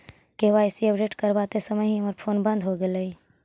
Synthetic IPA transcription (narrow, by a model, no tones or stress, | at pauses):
keɦʋaɪsiəpɖeːʈkəɾbat̪esəməjɦiməɾpʰoːnbə̃nd̪ʱɦoɡeləi